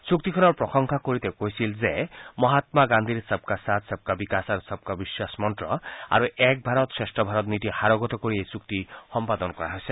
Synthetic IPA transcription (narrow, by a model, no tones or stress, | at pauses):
suk̚t̪ikʰɔnɔɹpɾɔxɔŋkʰakoɾit̪ekojsilzemɔɦat̪maɡand̪ʱiɾsəb̚kasat̪səb̚kabikasaɾusɔb̚kabiswasmɔnʈɾɔa̰ɾuɛk̚bʱaɾɔt̪sɹesʈɔbʱaɾɔt̪nit̪ihaɾɔɡɔt̪ɔkoɾiejsuk̚t̪ixɔmpad̪ɔnɔkɔɾa̰ɦojse